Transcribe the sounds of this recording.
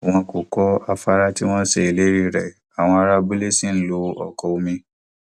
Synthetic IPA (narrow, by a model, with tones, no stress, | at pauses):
w̃ɔ̃˧ko˨kɔ˦a˧fa˦ɾa˦ti˦w̃ɔ̃˦ʃe˨i˨le˦ɾi˦ɾɛ˨ | a˨w̃ɔ̃˧a˧ɾa˧bu˦le˦sĩ˦n̩˦lo˧ɔ̰˨kɔ˧o˧mĩ˧